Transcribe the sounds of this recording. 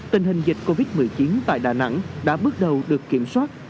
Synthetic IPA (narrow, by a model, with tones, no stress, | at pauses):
t̪ï˨˩ŋ̟ɦï˨˩ŋ̟zï˨˩k̚ko˧vi˦˥t̚mɨ˨˩əjt͡ɕi˨˦nt̪a̰ː˧˨jɗaː˨˩na̰˧˥ŋɗa̰ː˧˥ɓɨ˦˥ək̚ɗə˨˩wɗɨ˨˩əkːi˧˩əmswaː˦˥t̚